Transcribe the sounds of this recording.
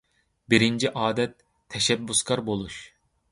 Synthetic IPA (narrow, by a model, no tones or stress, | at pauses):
biɾind͡ʒiʔɑːd̪ɛt̪ʰː | ɛʃɛbːuskʰɑɾbolˠuʃ